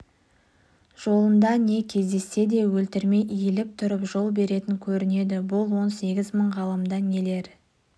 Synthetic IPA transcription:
ʒ̥o̞lˠəmd̪ɑne̞kʲʰe̞zd̪e̞sːe̞d̪e̞wɵlt̪ɪɾme̞jʔijelɪp̚t̪ʰʊɾəpʒo̞lˠbe̞ɾe̞t̪ɪŋkʲʰɵɾɪne̞d̪ɪbʊlˠwo̞nse̞ɡʲɪzməɴʁɑlˠəmd̪ɑne̞le̞ɾ

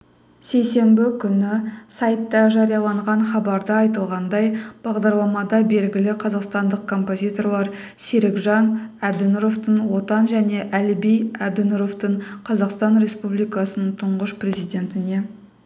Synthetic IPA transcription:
se̞jse̞mbɪkʲʰʏnɪsɑjt̪ːɑʒɑɾijɑlˠɑɴʁɑɴχɑbɑɾd̪əɑjt̪əlˠʁɑnd̪ɑjb̥ɑʁd̪ɑɾlˠɑmɑd̪ɑbe̞lɡʲɪlɪqʰɑzɑqst̪ɑnd̪əq̚kʰo̞mpo̞zʲijt̪o̞rlˠɑɾ | seɾɪɡʒɑnæb̚d̪ɪnʊɾo̞ft̪əɴwo̞t̪ɑnʒæne̞ʔælbijæb̚d̪ɪnʊɾo̞ft̪əɴqʰɑzɑqst̪ɑnɾʲe̞spublˠijkɑsənəɴt̪ʰʊɴʁəʃprʲe̞zijd̪ʲe̞nt̪ɪne̞

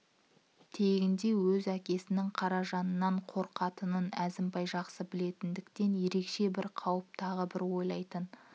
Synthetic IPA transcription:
t̪ʰe̞ɡʲɪnd̪e̞wɵzækʲe̞sɪnɪŋqʰɑɾɑʒɑnənːɑɴqʰo̞ɾqɑt̪ənənæzɪmbɑjʒɑqsəbɪle̞t̪ɪnd̪ɪkt̪e̞nje̞ɾe̞kʃe̞bɪɾqʰɑwəp̚t̪ʰɑʁəbɪɾwo̞jlˠɑjt̪ən

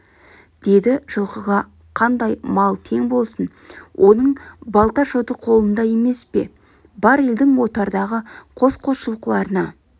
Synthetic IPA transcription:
d̪̥e̞d̪ɪʒ̥əlˠqəʁɑ | qʰɑnd̪ɑjmɑlˠt̪ʰe̞ŋbo̞lˠsən | wʔo̞nəɴbɑlˠt̪ɑʒot̪əqʰo̞lˠənd̪ɑje̞me̞spe̞̰ | bɑɾe̞ld̪ɪŋwo̞t̪ɑɾd̪ɑʁəqʰo̞sqʰo̞sʃəlˠqəlˠɑɾənɑ

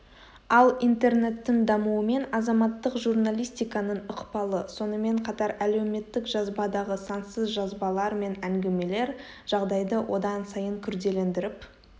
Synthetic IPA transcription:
ɑlˠint̪e̞rne̞t̪ːɪŋd̪ɑmuəme̞nɑzɑmɑt̪ːəqʒurnalʲijst̪ijkɑnəɴʊqpɑlˠəso̞nəme̞ɴqʰɑt̪ɑɾæle̞wme̞t̪ːɪkʒɑzbɑd̪ɑʁəsɑnsəzʒɑzbɑlˠɑɾme̞næŋɡʲɪme̞le̞ɾ | ʒ̥ɑʁd̪ɑjd̪əwʔo̞d̪ɑnsɑjəŋkʲʰʏɾd̪e̞le̞nd̪ɪɾɪp

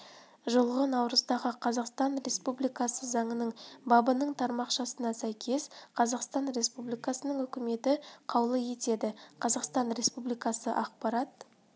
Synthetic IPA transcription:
ʒəlˠʁənɑwɾəzd̪ɑʁəqʰɑzɑqst̪ɑnɾʲe̞spublijkɑsəzɑɴənəɴbɑbənəɴt̪ʰɑɾmɑqʃɑsənɑsæjkʲʰe̞sqʰɑzɑqst̪ɑnɾe̞spublijkɑsənəɴɵkʲɪme̞t̪ɪqʰɑwlˠəje̞t̪e̞d̪ɪqʰɑzɑqst̪ɑnɾʲe̞spublijkɑsəʔɑq̚pɑɾɑt̪̚

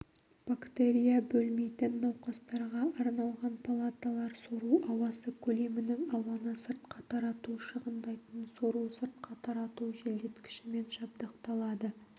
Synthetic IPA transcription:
b̥akt̪eɾʲijabɵlme̞jt̪ɪnːɑwqɑst̪ɑɾʁɑɑɾnɑlˠʁɑnpʰalˠat̪alˠɑɾso̞ɾuɑwɑsəkʲʰɵle̞mɪnɪŋɑwɑnəsəɾt̪̚qɑt̪ʰɑɾɑt̪uʃəʁənd̪ɑjt̪ənso̞ɾusəɾt̪qɑt̪ʰɑɾɑt̪uʒeld̪e̞t̪kʲʰɪ̥ʃɪme̞nʒɑpd̪əqt̪ɑlˠɑd̪ə

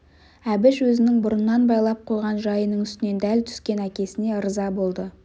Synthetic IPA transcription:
æbɪʃwɵzɪnɪŋbʊɾənːɑnbɑjlˠɑp̚qʰo̞jʁɑnʒɑjənəɴʏst̪ɪne̞nd̪ælt̪ʰʏ̥skʲe̞nækʲe̞sɪne̞əɾəzɑbo̞lˠd̪ə

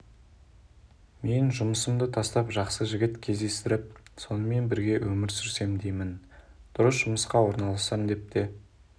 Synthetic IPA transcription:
me̞nʒʊməsəmd̪ət̪ʰɑst̪ɑpʒɑqsəʒɪɡʲɪt̪kʲʰe̞zd̪e̞st̪ɪɾɪp̚so̞nəme̞nbɪɾɡʲe̞wʔɵmɪɾsʏɾse̞md̪ejmɪnd̪̥ʊɾəsʒ̥ʊməsqɑwo̞ɾnɑlˠɑsɑmd̪e̞p̚t̪e

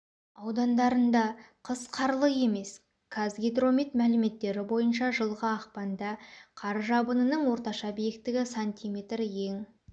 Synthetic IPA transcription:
ɑwd̪ɑnd̪ɑɾənd̪ɑqʰəsqʰɑɾlˠəje̞me̞s | kʰazɡʲid̪ro̞mit̪mælɪme̞t̪ːe̞ɾɪbo̞jənʃɑʒəlˠʁəɑqpɑnd̪ɑqʰɑɾʒɑbənənəɴwo̞ɾt̪ɑʃɑbijekt̪ːɪɡʲɪsanʲt̪ʲijmʲe̞t̪rje̞ŋ

